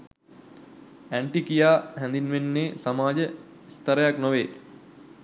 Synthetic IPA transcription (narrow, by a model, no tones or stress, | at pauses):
æɳʈikijaːɦɛ̃nd̪inʋenːeːsamaːd͡ʒə | ist̪əɾəjaknoʋeː